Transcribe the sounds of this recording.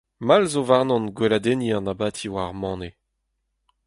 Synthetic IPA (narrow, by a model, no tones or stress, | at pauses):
malzovaʁnɔ̃nɡwelad̪eniɑ̃nabaːt̪ʰiwaʁmɑ̃ːne